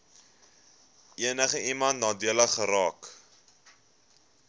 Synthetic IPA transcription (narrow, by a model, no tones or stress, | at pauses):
iənəχəʔimɐntnɑːdiələχəɾɑːk